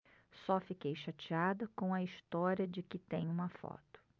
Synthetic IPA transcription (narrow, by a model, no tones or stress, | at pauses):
sɔfikejʃat͡ʃiad̪ɐkõw̃ɐist̪ɔɾiɐd͡ʒɪkɪt̪ẽj̃ũmɐfɔ̰t̪ʊ̥